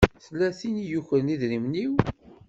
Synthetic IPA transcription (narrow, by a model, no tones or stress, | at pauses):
θlːæθinijuçɾniðɾimniw